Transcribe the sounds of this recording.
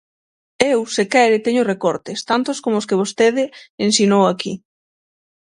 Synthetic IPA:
ewsekɛɾɪt̪eɲʊrekɔɾt̪ɪst̪ant̪ʊskomoʊskeβ̞ost̪eðɪensinowakḭ

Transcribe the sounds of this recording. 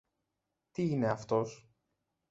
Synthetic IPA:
t̪iine̞ɐft̪o̞s

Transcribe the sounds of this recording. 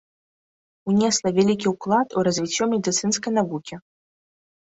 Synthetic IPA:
unʲɛslˠɐvʲalʲikʲiwklˠat̪uɾɐzʲvʲit͡sʲːɔmʲɛd̪ɨt̪sɨnskɐjnavukʲi

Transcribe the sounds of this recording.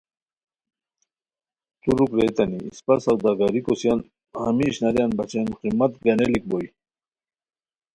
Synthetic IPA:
t̪uɾukɾet̪anḭːspasawd̪aɡaɾikɔsjan | hamiɕnaɾjanbat͡ɕenqimːat̪ɡanelik̚boj

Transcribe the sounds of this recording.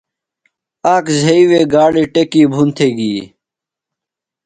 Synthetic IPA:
aːkzʱɐiweːɡaːɽiʈekiːbʱunt̪ʰeːɡiː

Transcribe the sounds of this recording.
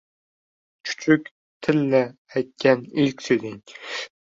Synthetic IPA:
t͡ʃʰʊ̥t͡ʃʰʏkʲ | t̪ʰɪlnɪajt̪̚kʲʰanɪlkʲsɵjd̪ɪŋ

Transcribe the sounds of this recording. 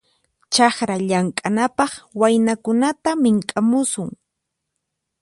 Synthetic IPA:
t͡ʃɑχɾaʎaŋkʼanapɑχwajnakʊnat̪amɪŋkʼamʊsʊŋ

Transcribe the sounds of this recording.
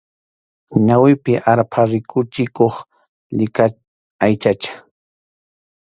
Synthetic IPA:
ɲawɪpɪʔaɾpʰaɾɪkʰʊt͡ʃɪkoχ | ʎɪka | ajt͡ʃat͡ʃḁ

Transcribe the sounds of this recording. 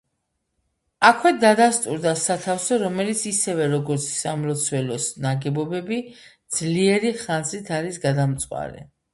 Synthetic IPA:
akʰwɛd̪ad̪ast̪ʼuɾd̪asat̪ʰafsɔɾɔmɛlit̪sʰisɛvɛɾɔɡɔɾt̪sʰsamlɔt̪sʰwɛlɔsnaɡɛbɔbɛbid̪z̥liɛɾiχanzit̪ʰaɾisɡad̪amt̪sʼwa̰ɾɛ̰

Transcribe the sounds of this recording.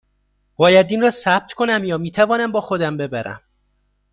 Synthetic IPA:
b̥ɒːjæd̪iːnrɒːsæb̥̚t̪ʰkʰo̞næmjɒːmiːt̪ʰævɒːnæmbɒːxo̞d̪æmbe̞bæɾæ̰m

